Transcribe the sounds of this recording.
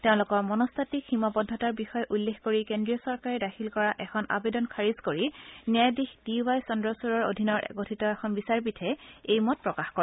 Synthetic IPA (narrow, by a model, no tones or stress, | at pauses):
teʊ̃lʊkɔɹmɔnɔstʰatikximapɔdʱːɔtaɹbixɔjʔulːexkoɹikendɹijɔsɔɹkaɹidaxʰilkɔɹaʔɛxʰɔnʔa̰bedɔnkʰaɹizkoɹinjajdixd̥iwajsɔndɹɔsuɹɔɹo̰dʱinɔɹʔɛ̰ɡotʰitɔɛxʰɔnbisaɹbitʰɛejmɔt̚pɹɔkaxkɔɹ